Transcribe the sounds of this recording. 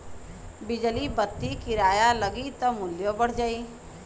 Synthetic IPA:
bɪd͡ʒəlibət̪ːikɪɾaːjaləɡit̪ɔmʊljobəɽ̤d͡ʒaiː

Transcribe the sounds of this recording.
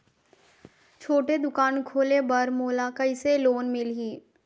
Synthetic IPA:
t͡ʃʰoːʈed̪ʊkaːnkʰoːlebɐɾmoːlakɐɪseloːnmɪlɦiː

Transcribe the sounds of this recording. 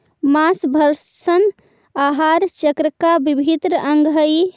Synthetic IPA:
masbʱəɾsən | aɦaɾt͡ʃəkɾəkabibʱit̪ɾəʔəŋɡʱəj

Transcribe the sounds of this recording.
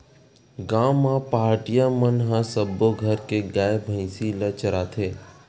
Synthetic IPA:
ɡaːmːãpaaɾʈijamənɦãsəbːoɡʱəɾkeɡaːebʱə̃ɪsilət͡ʃəɾat̪ʰeː

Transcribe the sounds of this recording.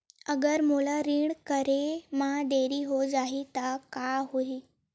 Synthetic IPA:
əɡəɾmulaɾiɳkəɾemad̪eɾiːɦod͡zaɦit̪akaɦoiː

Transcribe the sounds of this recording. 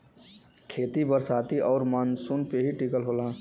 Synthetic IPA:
kʰeːt̪ibəɾsaːt̪iʔɔːɾmansunpeɦiʈikəlɦoːlãː

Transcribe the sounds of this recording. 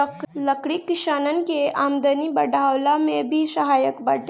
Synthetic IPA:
ləkɽikɪʃaːnənɪ̆keaːmd̪ənibɐɖʱaːwlamẽbʱisɐɦaːjəkbɐɖe

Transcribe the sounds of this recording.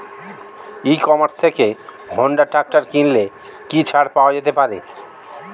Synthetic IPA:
ikɔmaɾst̪ʰeke | bʱoɳɖaʈɾak̚ʈaɾkinle | kit͡ɕʰaɽpaoad͡ʑet̪epaɾḛ

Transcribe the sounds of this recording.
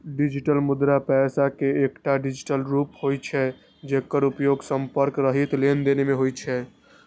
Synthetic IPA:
ɖid͡ʒiʈəlmud̪ɾapɛsakeːkʈaɖid͡ʒiʈəlɾuphojt͡ʃʰɛ | d͡ʒekːəɾupjoɡsəmpəɾkɾəɦit̪lend̪enemeɦojt͡ʃʰɛ

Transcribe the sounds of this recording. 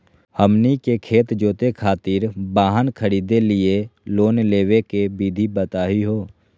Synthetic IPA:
həmnikekʰeːt̪d͡ʒoːt̪ekʰaːt̪ɪɾbaːɦənkʰəɾiːd̪elɪeloːnleːwekebiːd̪ʱibət̪aːɦiɦoː

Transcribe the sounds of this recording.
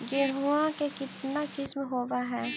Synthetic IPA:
ɡeɾuãkekɪt̪nakɪsmɦoːʋaɦɛː

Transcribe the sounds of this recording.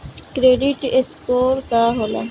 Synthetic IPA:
kɾeːɖiʈeskoːɾkaːɦola

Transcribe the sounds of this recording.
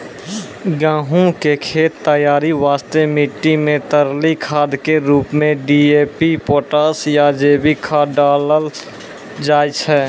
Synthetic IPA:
ɡãːɦũkekʰeːt̪ːəjaːɾiʋaːst̪emɪʈːimẽt̪əɾlikʰaːd̪keɾuːpmẽɖieːpipoːʈaːsjad͡ʒeːbikʰaɖaːləl | d͡ʒaːjt͡ʃʰɛː

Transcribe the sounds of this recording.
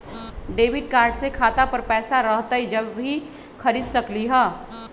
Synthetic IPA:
ɖeːʋɪɖ̚kaːɾɖsekʰaːt̪apɐɾpɛːsaɾɐɦt̪aɦid͡ʒɐbʱi | kɐɾiːd̪sɐkliɦɛː

